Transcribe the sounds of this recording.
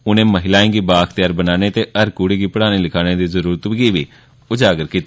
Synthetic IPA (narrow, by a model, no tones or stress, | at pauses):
ʊnẽːməɦɪlaːĩːɡiːbaːkʰt̪ɪjaːɾbənaːneːt̪eːʔəɾkuːɽiːɡiːpəɽaːneːlɪkʰaːneːd̪iːzəɾuːɾət̪bɡiːʋiː | ʊd͡ʒaːɡəɾkiːt̪aː